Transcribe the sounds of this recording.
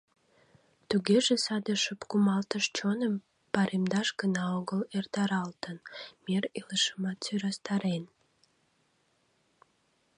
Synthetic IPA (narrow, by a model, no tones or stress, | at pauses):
t̪uɡeʒesɑd̪əʃəpkumɑlt̪əʃt͡ɕonəm | pɑɾʔemd̪ɑʃɡənɑoɡəlert̪ɑɾɑlt̪ənmereləʃəmɑt̪syɾɑst̪ɑɾen